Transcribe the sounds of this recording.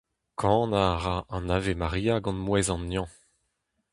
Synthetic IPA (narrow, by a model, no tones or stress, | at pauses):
kʰɑ̃naʁaɑ̃navemaʁijaɡɑ̃nmwɛzɑ̃nːjɑ̃